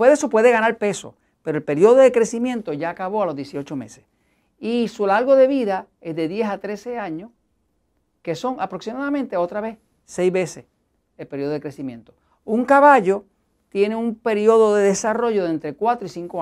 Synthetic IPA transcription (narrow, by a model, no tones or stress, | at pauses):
weðeso̞pwe̞ðe̞ɣanalpe̞so̰ | peɾoelpe̞ɾjo̞ðoðe̞kɾe̞simjẽ̞nt̪o̞ʝaːkaβo̞alozðje̞sio̞t͡ʃo̞me̞̰ses | isulaɾɣo̞ðe̞βiða | ezðe̞ðje̞sat̪ɾe̞se̞aɲoh | ke̞so̞ŋapɾo̞ksimaðamẽnt̪e̞o̞t̪ɾaβe̞s | se̞jzβe̞ses | elpe̞ɾjoðo̞ekɾesimjẽnt̪o | uŋkaβaʝo̞ | t̪je̞neumpe̞ɾjo̞ðo̞ðe̞ðesaro̞ʝo̞ðent̪ɾe̞kwat̪ɾoisiŋko